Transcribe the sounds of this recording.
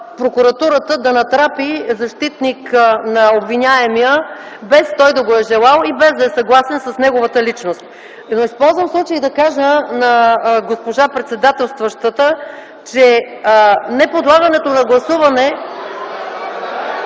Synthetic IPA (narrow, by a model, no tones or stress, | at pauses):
pɾokuɾɐt̪uɾət̪əd̪ɐnɐt̪ɾapizɐʃt̪it̪niknɐobvinʲaɛmiə | bɛst̪ɔjd̪ɐɡoɛʒɛlˠalˠibɛzd̪ɐɛsɐɡlˠasɛnsɐsnɛɡovət̪əlit͡ʃnost̪̚ | noispɔlˠzvəmslˠut͡ʃəjid̪ɐkaʒənɐɡospoʒapɾɛt̪sɛd̪at̪ɛlˠst̪vəʃt̪vət̪ə | t͡ʃɛ | nɛpod̪lˠaɡɐnɛt̪onɐɡlˠɐsuvɐnɛ